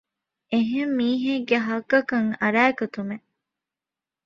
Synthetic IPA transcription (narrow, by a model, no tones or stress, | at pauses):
eɦemːiːɦeɡeɦɐɡɐkɐŋɐɾæːkɐt̪ume